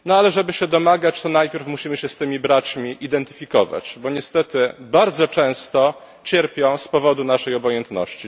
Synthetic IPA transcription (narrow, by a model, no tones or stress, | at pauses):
nɔalɛʐɛbɘɕɛd̪ɔmaɡat͡ɕt̪ɔnajpʲjɛɾfmuɕimɘɕɛst̪ɘmʲibɾat͡ɕmʲiʔid̪ɛnt̪ɘ̥fʲikɔva̰t͡ɕbɔɲɛst̪ɛt̪ɘbaɾd̪zɔt͡ʂɛ̃w̃st̪ɔ | t͡ɕɛɾpʲjɔ̃w̃spɔvɔd̪unaʂɛjɔbɔjɛnt̪nɔ̰ɕt͡ɕi